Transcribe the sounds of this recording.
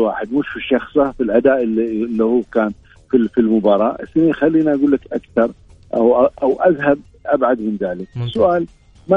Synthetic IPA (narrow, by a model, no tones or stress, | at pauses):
wa̰ːħɪd̪mʊʃfiʃːɑxsˤafilʔad̪aːʔɪlilːihuːkaːn | fifilmʊbɑːɾˤɑːʔɪsɪniːxalːiːniʔaɡuːlːakʔakθɑɾˤ | ʔa̰wʔaʔawʔaðɦab̚ | ʔabʕad̪mɪnðaːlɪk̚ɪsːʊʔaːl | ma